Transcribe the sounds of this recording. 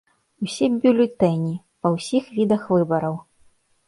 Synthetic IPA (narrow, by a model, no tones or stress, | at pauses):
usʲɛbʲulʲɛt̪ɛnʲi | pɐwsʲixvʲid̪ɐxvɨbɐɾɐw